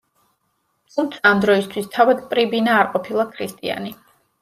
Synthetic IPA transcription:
t̪ʰumt̪sʰaːmd̪ɾɔist̪ʰwist̪ʰavad̪pʼɾibinaːɾqʼɔpʰilˠakʰɾist̪ʼḭa̰ni

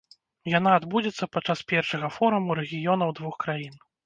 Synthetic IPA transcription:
jan̪aːd̪bud͡zʲɛt̪sːɐpat͡ʂaspʲɛrʂɐɣɐfɔɾumuɾɛɣʲijɔnɐwd̪vuxkɾajin

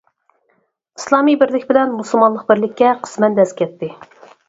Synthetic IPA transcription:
islˠɑmijbɪɾlɪkʲbɪlɛnmusɨlˠmɑnlˠəq̚bɪɾlɪkʲːɛqʰə̥smɛnd̪ɛskʲʰɛt̪ʰːɪ

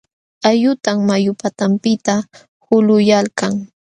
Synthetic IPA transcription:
ajʊt̪aŋmajʊpat̪ampɪt̪a | hʊlʊjalkaŋ

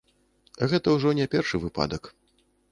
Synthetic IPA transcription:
ɣɛt̪ɐwʐɔnʲɛpʲɛrʂɨvɨpa̰d̪ɐk

